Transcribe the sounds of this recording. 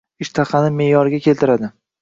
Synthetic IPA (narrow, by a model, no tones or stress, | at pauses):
ɪʃt̪ʰaχɑnɪme̞jɒɾɡʲakʲʰe̞lt̪ɪɾad̪ɪ